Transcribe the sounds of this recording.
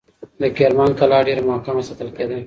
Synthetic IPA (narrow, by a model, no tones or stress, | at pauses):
d̪əkeɾmɑnkalɑːɖeɾmohkamasat̪əlked̪a